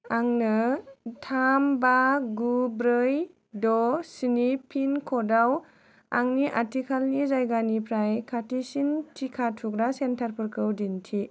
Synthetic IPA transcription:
aŋnɯtʰambaɡubɾɯj | dɔsinipʰinkʰɔdaw | a̰ŋniʔatʰikʰalnizajɡanipʰɾajkʰatisintʰikʰatʰukɾasentʰaɾpʰɯɾkʰɯwdintʰi

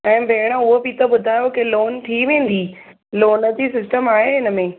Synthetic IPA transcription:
ɛ̃ːbʱeːɪɽ̃ə̆ʊɦobɪt̪ɐbʊd̪ʱaːjokɪloːnt̪ʰiʋẽːn̆d̪iː | loːnə̆d͡ʑisɪsʈəmaːɦeɦɪnə̆mẽː

